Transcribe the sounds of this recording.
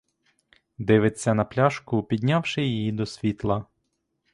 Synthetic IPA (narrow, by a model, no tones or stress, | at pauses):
d̪ɪʋɪt͡sʲːɐnɐplʲaʃkʊpʲid̪ʲnʲawʃɪjijid̪ɔsʲʋʲit̪lˠɐ